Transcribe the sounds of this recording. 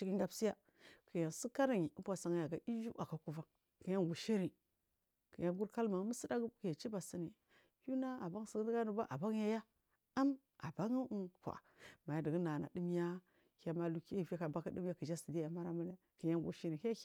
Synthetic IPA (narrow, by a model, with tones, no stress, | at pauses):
t͡ʃi˦ki˦ŋɡa˨bsi˦ja˦ | kʰə˨ja˨nsi˦ka˦ɾa˦˨ŋi˨˦bʷa˨sa˨ŋ˨ja˨ɡa˨i˦d͡ʒṵ˦a˨ka˨ku˨va˦ŋ | kə˨ja˦ŋɡu˨ʃi˦ɾi˨ | kə˨ja˨ɡu˦ɾka˦lma˨˦mə˦si˦da˦ɡkə˨ja˨t͡ʃi˦ba˨si˦ni˨ | ju˦na˦a˨ba˦ŋ˦si˨ɡdɡa˦nu˨ba˦ʔa̰˨ba˦ŋ˦ja˦ja˦ | a˦m | a˨ba˦ŋu˦kʷa̰˨ | ma˨ja˨də˨ɡə˦na˨na̰˨di˦m˦ja˦ | ha˦ma˦lu˨ki˦˨va˦ka˨ba˦ki˦di˦m˦a˦kə˨ʒa˦si˨di˦ja˨ma˦ɾa˦mə˦ne˦ | kə˨ja˦ŋ˨ɡṵ˨ʃi˦ɾi˨ha˦